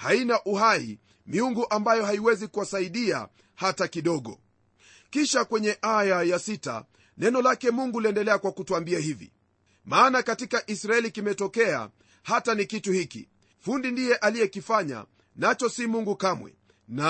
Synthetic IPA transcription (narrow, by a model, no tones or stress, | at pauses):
hainaʔuhaḭ | miuŋɡuʔambajɔɦaiwɛzikuasaiɗia̰ | hatakiɗɔɠɔ̰ | kiʃakwɛɲɛʔajajasita̰ | nɛnɔlakɛmuŋɡuliɛndɛlɛakwakutuambiahivḭ | maːnakatikaʔisɾaɛlikimɛtɔkɛa̰ | hatanikituhikḭ | fundindijɛʔalijɛkifaɲa̰ | nat͡ʃɔsimuŋɡukamwɛ̰ | na